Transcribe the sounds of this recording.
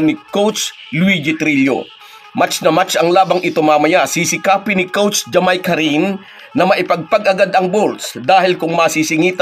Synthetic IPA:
nɪkowt͡ʃ | lwid͡ʒɪt̪ɾilo̰ | mat͡ʃnɐmat͡ʃɐŋlaːbɐŋʔɪt̪omaːmɐjasisɪkaːpɪnɪkowt͡ʃd͡ʒɐmajkɐɾinː | ɐmɐʔɪpɐɡ̚pɐɡʔɐɡad̪ɐŋbolt̪sd̪aːhɪlkʊŋmɐsisɪŋiːt̪ɐ

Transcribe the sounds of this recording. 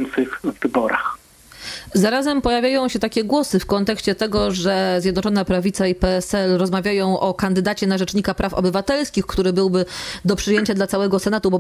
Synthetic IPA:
nt̪sɘxːɘbɔɾa̰x | zaɾazɛmpɔjavʲjajɔ̃w̃ɕɛt̪akʲɛɡwɔsɘfkɔnt̪ɛkɕt͡ɕɛt̪ɛɡɔʐɛzjɛd̪nɔt͡ʂɔnapɾavʲit̪saipɛɛsɛlɾɔzmavʲjajɔ̃w̃ʔɔkand̪ɘd̪at͡ɕɛnaʐɛt͡ʂɲikapɾʔafɔ̰bɘvat̪ɛlskʲixkt̪uɾɘbɘwbɘd̪ɔpʂɘjeɲt͡ɕad̪lat̪sawɛɡɔsɛnat̪ubɔ

